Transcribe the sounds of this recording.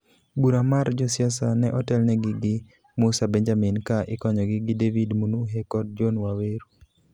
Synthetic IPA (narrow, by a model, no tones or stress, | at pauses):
buɾamaɾd͡ʒɔsɪas̬anɛʔɔtɛlnɛɡɪɡɪ | mʊsabɛɲd͡ʒaminkaʔɪkɔɲɔɡɪɡɪdevidmunuɦekɔd̚d͡ʒɔnwaweɾu